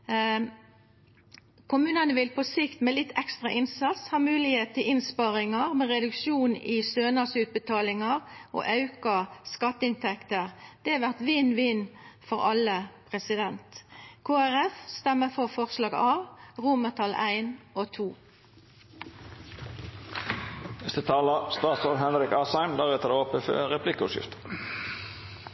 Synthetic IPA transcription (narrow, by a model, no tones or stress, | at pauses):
kʰʊmʉːnɑnəʋɪlpɔsɪkt̪mɛːlɪt̪ʰːɛkst̪ʁɑʔɪnsɑt̪shɑːmʉːlɪheːt̪əɪnspɑʁɪŋɑʁmɛʁɛd̪ʉkʃuːnɪsøːnɑsʉːt̪̚bət̪ʰɑːlɪŋɑʁʔo̰ːʔɑʉkɑskɑt̪ːəɪnt̪ʰɛkt̪əʁd̪̥ɛɛʋæʁt̪ʋɪnːʋɪːnfɔʁɑləpʰʁɛsɪd̪ɛnt̪kʰoːæʁɛfst̪ɛməfɔʁfɔʁslɑːɡɑːʋʁuːmət̪ʰɑlæ̰ɪnot̪ʰuː | nɛst̪ət̪ʰɑːləst̪ɑːt̪sɔʋɦɛnɾɪkɑːsæɪmd̪æʁɛt̪əd̪əɔpəfø̰ʁɛpʰlɪkəʊʂɪ̰ft̪ə̥